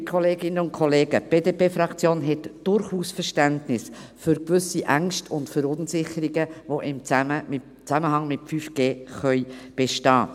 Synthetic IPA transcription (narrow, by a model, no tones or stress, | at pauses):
kʰɔleːɡɪnəʊntkʰɔleːɡəb̥eːdeːpeːfɾɑkt͡sjoːnɦɛtd̥ʊɾχuːsfəɾʃtæntnɪsfʏɾkʋʏsiʔæŋʃtʰʊntfəɾʊnsɪχəɾiɡəvoʔɪmt͡sæməmɪ | t͡sæməhɑŋmɪtfyfɡ̥eːχœʏb̥eʃtɑː